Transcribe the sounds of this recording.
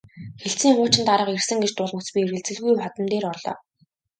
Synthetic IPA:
xeɬt͡siːŋχʊːt͡ɕɪ̆nt̪aɾə̆qersɘ̆ŋɡet͡ɕt̪ʊɮmə̆t͡spʲierɣɘ̆ɮt͡sɘ̆ɮɣujpat̪ə̆mt̪eːrɔrɮɔ̰ː

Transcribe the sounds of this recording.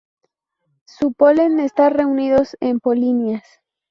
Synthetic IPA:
supolenest̪are̞uniðo̞sempolinjas

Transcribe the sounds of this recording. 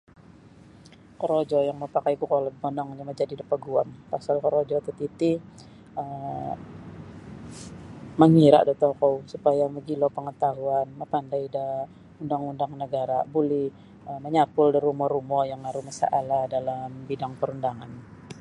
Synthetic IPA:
kəɾod͡ʒɔjaŋməpakajkukɔlɛt̪̚bɔnɔŋniməd͡ʒadidəpaɡua̰mpasalkəɾod͡ʒɔt̪ət̪it̪i | əm | məŋiɾa̰ʔdat̪okɔwsupajaməɡilopəŋət̪aɦuanməpandajdə | undaŋundaŋnəɡaɾabulɪh | əməɲapʊldiɾumɔɾumɔjaŋmaɾumasa̰ʔaladalambidaŋpəɾundaŋan

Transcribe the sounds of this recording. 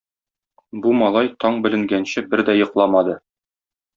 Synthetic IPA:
bumɑlˠɑjt̪ɒɴbɘ̆lɘ̆ŋɡænɕɘbɘɾd̪æjɤ̆qlˠɑmɑd̪ɤ

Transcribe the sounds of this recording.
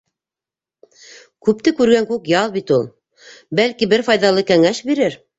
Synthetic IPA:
kʉp̚t̪ɘkʉɾɡæŋkʉkjɑlˠbit̪ulˠ | bælkibɘɾfɑjðɑlˠɤkæŋæʃbiɾɘɾ

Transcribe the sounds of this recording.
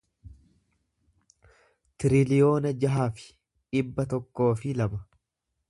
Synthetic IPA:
t̪ɪɾɪlɪjo̞ːnɐd͡ʒɐɦaːfɪ̥ | ᶑɪbːɐt̪ɔkːo̞ːfɪlɐbɐ

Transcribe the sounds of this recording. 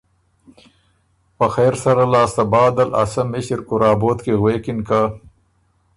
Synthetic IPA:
pəxeɾsaɾalɑːst̪abɑːd̪ala̰samɪɕɾkʊɾɑːboːt̪keɣweːkɪnka

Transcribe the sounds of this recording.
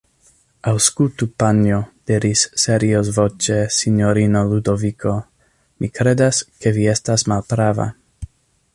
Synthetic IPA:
awskult̪upanjod̪̥iɾisːeɾiosvot͡ʃesinjoɾinolud̪ovikʰo̞ | mikɾed̪aske̞viestasmalpɾava̰

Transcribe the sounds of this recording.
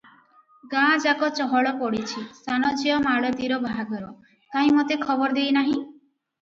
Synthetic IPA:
ɡãd͡ʒakɔt͡ʃɔɦɔɭɔpɔɽit͡ʃʰisanɔd͡ʒijɔmaɭɔt̪iɾɔbʱaɡɔɾɔ | kaɦĩmot̪ekʰɔbɔɾd̪ejnaɦĩ

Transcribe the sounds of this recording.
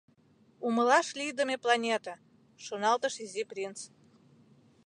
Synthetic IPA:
umə̆lɑʃlʲid̪əmʲeplˠɑnʲet̪a | ʃonɑlˠt̪ə̆ʃizʲiprʲint͡s

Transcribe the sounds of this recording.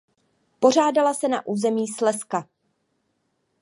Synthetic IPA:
po̞r̝aːdalasɛna̰ʔuːzɛmiːslɛska

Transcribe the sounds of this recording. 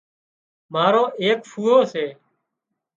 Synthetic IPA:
maːɾõːʔeːkfʰuːoːseː

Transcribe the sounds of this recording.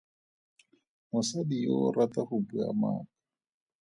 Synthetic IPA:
mʊsadijɔɾat̪ahupua̰ma̰ːkḁ

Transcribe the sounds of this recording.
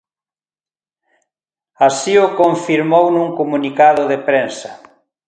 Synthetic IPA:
asiʊkoɱfiɾmownũŋkomunikaðʊðepɾensɐ

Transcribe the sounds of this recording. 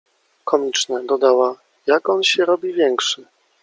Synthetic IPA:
kɔmʲit͡ʂnɛd̪ɔd̪awa | jakɔnɕɛɾɔbʲivʲjɛŋkʂɘ

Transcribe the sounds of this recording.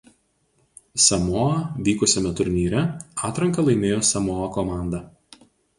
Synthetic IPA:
sʲɐmoːɐʋʲiːkʊsʲɛmʲɛt̪ʊɾʲnʲiːɾʲɛɑːt̪ɾɐŋkɐlˠɐɪmʲeːjoːsʲɐmoːɐkɔmɑˑnd̪ɐ

